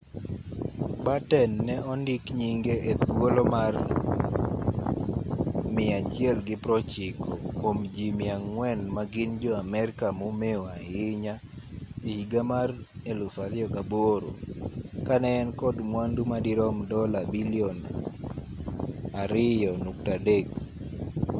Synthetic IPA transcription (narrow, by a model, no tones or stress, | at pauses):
batɛnːɛʔɔndɪkɲiŋɡeet̪wolomar | mɪat͡ʃjɛlɡɪpɾɔt͡ʃɪkʰɔkomd͡ʒimɪaŋwɛnmaɡɪnd͡ʒɔamɛɾɪkamomeoaɪɲa | ihiɡamarelʊfadɪjɔkaboɾo̰kanɛːnkɔdmwandumadiɾɔmdɔlabiliɔn | aɾɪjɔnuk̚tadek